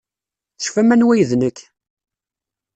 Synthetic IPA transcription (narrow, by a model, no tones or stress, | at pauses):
θə̥ʃfæmænwæjðnəkː